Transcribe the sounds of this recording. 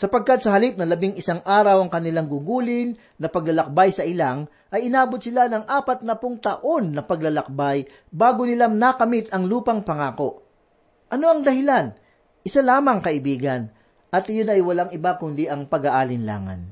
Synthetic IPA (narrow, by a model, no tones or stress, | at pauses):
sɐpɐɡ̚kat̪̚sɐɦɐlip̚nɐlɐbiŋɪsaŋʔaːɾɐwɐŋkɐnɪlaŋɡʊɡuːlɪnːɐpɐɡlɐlɐk̚bajsɐʔɪlaŋ | ʔɐjɪnaːbot̪̚sɪlanɐŋʔaːpɐt̪̚nɐpʊŋt̪ɐʔo̞nːɐpɐɡ̚lɐlɐk̚baj | baːɡonɪlaŋnakɐmɪt̪ɐŋluːpɐŋpɐŋaːko̞ʔ | ʔɐno̞ɐŋd̪ɐhɪlan | ʔɪsalaːmɐŋkɐʔɪbiːɡɐn | ʔɐt̪ɪjonɐjwɐlaŋɪbakʊnd̪ɪʔɐŋpɐɡaʔaːlɪnla̰ːŋɐ̰n